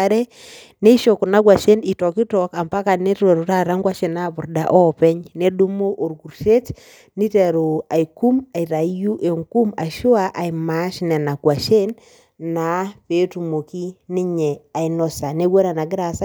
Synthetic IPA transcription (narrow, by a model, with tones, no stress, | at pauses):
aɾe˦ | ne˦i˦ʃo˨ku˨na˨˦kwa˨ʃe˦ni˨tɔ˨ki˦tɔ˨ka˨mpa˦ka˨ne˦te˨ɾo˨ɾa˦ɾa˦ŋɡwa˦ʃe˨na˦pʊ˨ɾda̰˨ʔɔ˦pɛ˦ɲne˦du˦mo˦ʔo˨ɾɡu˨ɾʃe˦t͡ʃ | ni˦te˨ɾo˨a˨i˨ku˦ma˨i˨ɾa˨˦ju˦ʔe˨ŋku˦ma˨ʃo˦a˦ʔa˨i˨ma˨˦ʃnɛ˨na˨kwa˨ʃe˦n | na˨pe˦tu˨mo˨ki˦ni˦ɲɛ˨a˨i˨nɔ˨sa˨ne˦kwe˦ɾa˨na˨ɡɪ˦ɾa˨sa˦